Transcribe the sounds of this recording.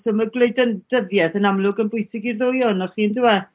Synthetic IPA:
soːməɡlejdənd̥əðjɛθənamlˠʊɡənbʊjsɪɡirðojɔnɔχiːəndɪwɛ

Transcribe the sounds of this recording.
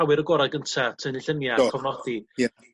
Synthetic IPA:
awɪɾəɡɔɾaɡəntʰatʰəniɬənjaɔvnɔd̥i

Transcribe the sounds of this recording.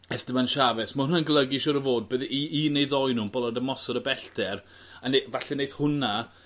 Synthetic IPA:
ɛsd̥əmanʃavɛsmaʊnunənɡlˠəɡɪʃɔɾəvoːd̚bəðʔiinejðɔjnuːnbɔlˠadəmɔsɔɾəbɛɬtɛr | anevaɬɛnejðhʊna

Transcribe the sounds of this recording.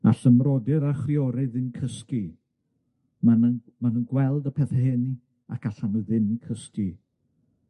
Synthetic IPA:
a̰ɬəmrɔdɪɾaχriɔɾɪðɨnkʰəski | manən | manuːnɡwɛlˠdəpʰɛθɛɦɪni | akʰaɬanʊðɪnkʰəski

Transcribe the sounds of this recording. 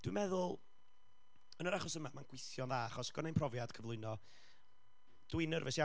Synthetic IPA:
d̥wḭmɛðʊlˠ | ənəɾaχɔsəmamanɡ̥wɪθjɔnðaaχɔsɡ̥ɔnejnpʰrɔvjad̥kʰəvlˠʊɨnɔ | d̥winərvɛʃia

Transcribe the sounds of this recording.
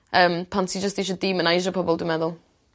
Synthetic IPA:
əːmpʰantsʰid͡ʒəsðeʃəddiːmə̃najʒəpʰɔbɔlˠdəmɛðʊlˠ

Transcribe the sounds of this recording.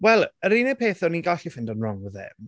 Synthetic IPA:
wɛlˠəɾiːnɛpʰeːθɔninɡaɬifɪndənrɔŋəðɛ̰m

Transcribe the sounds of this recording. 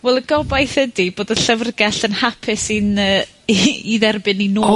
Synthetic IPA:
wɛlˠəɡɔbajθədib̥oːdəɬəvrɡɛɬənhapʰɪsinə | iðɛrbɨninu

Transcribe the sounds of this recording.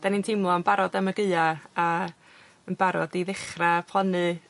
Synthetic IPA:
d̥anintʰɪmlˠɔənbaɾɔdaməɡɨaa | ənbaɾɔ̰diðɪχrapʰlˠanɨ

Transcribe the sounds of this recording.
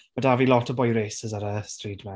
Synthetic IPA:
mədavilɔtʰɔbɔjɾeːsəzəɾəstrɹiːtmɛ

